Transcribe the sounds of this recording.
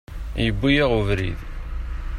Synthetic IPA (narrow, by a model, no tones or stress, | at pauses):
jəbːijæʁuvɾḭð